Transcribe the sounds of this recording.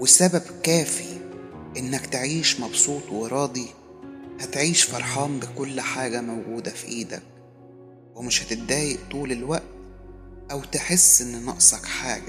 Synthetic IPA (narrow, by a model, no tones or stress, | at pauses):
wesæbæbkæːfi | ʔenːækt̪eʕiːʃmɑbsˤuːt̪ˤweɾˤɑːd̪i | hæt̪ʕiːʃfɑɾˤħɑːmbɪkolːħaːɡæmæwɡuːd̪æfiʔiːd̪æ̰k̚ | wemɪʃhæt̪ɪt̪̚d̪æːjeʔt̪uːlelwæʔt̪ʔæwt̪eħesːʔenːnɑʔsˤɑkħaːɡæ